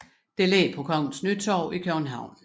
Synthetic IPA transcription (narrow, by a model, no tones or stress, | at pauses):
d̥e̝lɛ̰ːpʰɒ̽kʰɒ̽ŋ̰n̩snyd̥t͡sʰɒːʊikʰøn̩ɦɑ̈ʊ̰n